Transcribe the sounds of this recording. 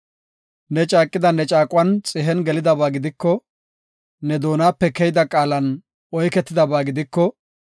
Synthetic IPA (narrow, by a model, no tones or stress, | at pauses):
nɛt͡ʃʼaːkʼːɪd̪ɐnɛt͡ʃʼaːkʼʊwɐnt͡sʼɪɦɛnɡɛlɪd̪ɐbaːɡɪd̪ɪkːɔ | nɛd̪o̞ːnaːpːɛkɛjd̪ɐkʼaːlɐn | ɔjkɛt̪ːɪd̪ɐbaːɡɪd̪ɪkːɔ